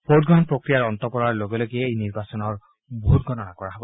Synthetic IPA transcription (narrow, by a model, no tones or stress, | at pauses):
pʰod̚ɡɔɦɔnpɹokɹijaɹɔnt̪ɔpɔɹaɹloɡɔloɡieejniɹbasɔnɔɹ | boɦut̪̚ɡʱɔnɔnakɔɹaɦɔb